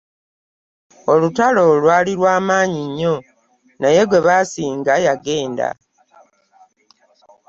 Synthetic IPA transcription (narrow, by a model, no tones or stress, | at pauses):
olutalo̞lwaːliɾwaːmaːɲiɲːo̞ | naje̞ɡwe̞βasiːŋɡajaɡe̞ːnda̰